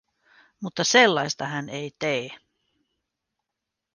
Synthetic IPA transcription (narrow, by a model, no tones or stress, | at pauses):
mut̪ːɑselːɑjst̪ɑɦænejt̪eː